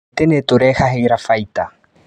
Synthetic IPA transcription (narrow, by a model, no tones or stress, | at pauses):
t̪enet̪oɾɛhaɦeɾafajt̪a